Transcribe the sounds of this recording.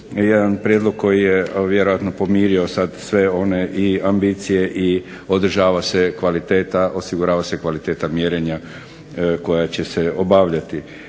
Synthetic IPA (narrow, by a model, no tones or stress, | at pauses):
jed̪anpɾjed̪lˠo̞ɡ̚kːo̞jijeʋjeɾojat̪no̞po̞miːɾio̞sad̪sʋe̞o̞ne̞ʔiambit̪sije̞ʔi | o̞d̪r̩ʒaːʋasekʋalit̪e̞ːt̪aʔo̞siɡuɾaːʋase̞kʋalit̪e̞ːt̪amjeɾeɲa | ko̞jat͡ɕe̞seobaːʋʎat̪i